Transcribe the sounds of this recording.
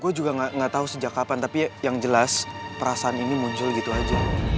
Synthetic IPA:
ɡuad͡ʒuɡaŋaŋət̪aɦusəd͡ʒakapant̪apijaŋd͡ʒəlaspəɾasaaninimuɲt͡ʃʊlɡit̪uad͡ʒa

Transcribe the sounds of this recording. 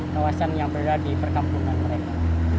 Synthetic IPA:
kawasanjaŋbəɾadipərkampunanməɾeka

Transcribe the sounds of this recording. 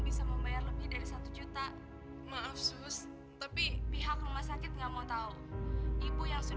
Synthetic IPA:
bisaməmbajarləbɪhdaɾisat̪ud͡ʒut̪a | mafsʊs | t̪apipiɦakrumahsakɪt̪̚ŋɡaʔmaut̪au | ibojaŋsu

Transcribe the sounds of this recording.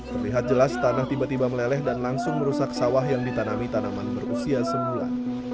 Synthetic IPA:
mərliɦat̪̚d͡ʒəlast̪anaht̪ibat̪ibaməlelɛhdanlaŋsʊŋməɾusaksawaɦjaŋdit̪anamit̪anamanbərusiasəmbula̰n

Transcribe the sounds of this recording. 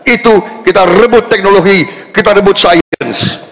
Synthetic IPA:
it̪ukit̪arəbʊt̪ːɛk̚noloɡikit̪aɾəbʊt̪sajəns

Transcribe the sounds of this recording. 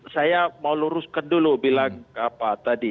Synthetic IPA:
sajamauluɾʊskandulubilaŋkapat̪adi

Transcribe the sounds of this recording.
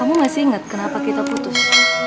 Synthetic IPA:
amumasiiŋət̪̚kənapakit̪aput̪ʊs

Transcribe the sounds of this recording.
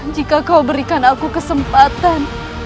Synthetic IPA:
d͡ʒikakawbəɾikanakukəsəmpat̪an

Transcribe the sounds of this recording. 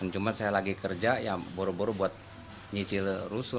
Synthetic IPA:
ant͡ʃumansajalaɡikərd͡ʒajaŋboɾuboɾubuat̪̚ | ɲit͡ʃɪlrusʊ

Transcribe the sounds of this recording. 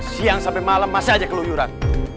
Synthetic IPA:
siaŋsampɛmalamːasiad͡ʒakəlujuɾa̰n

